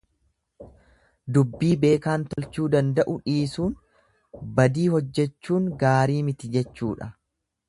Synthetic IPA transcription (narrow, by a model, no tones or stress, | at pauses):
d̪ʊbːiːbe̞ːkaːnt̪ɔlt͡ʃuːd̪ɐnd̪ɐʔʊᶑiːsuːn | bɐd̪iːhɔd͡ʒːɛt͡ʃːuːŋɡaːɾiːmɪt̪ɪd͡ʒɛt͡ʃːuːᶑɐ